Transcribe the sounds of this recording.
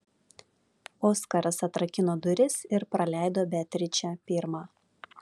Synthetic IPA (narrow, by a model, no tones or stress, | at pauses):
oːskɐɾɐsɐt̪ɾɐkʲɪnoːd̪ʊɾʲɪsɪɾpɾɐlʲæˑɪd̪oːbʲɛt̪ʲɾʲɪt͡ʃʲɛpʲɪɾmɑː